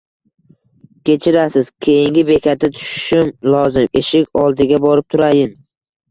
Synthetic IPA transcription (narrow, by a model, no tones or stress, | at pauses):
kʲʰe̞t͡ʃʰɪɾasɪz̥kʲʰe̞jɪŋɡʲɪbe̞kʲʰat̪ʰɪt̪ʰʊ̥ʃʃʊmlˠɒzɪme̞ʃɪkʲɒlˠd̪ɪɡʲabɒɾɪp̚t̪ʰʊɾajɪn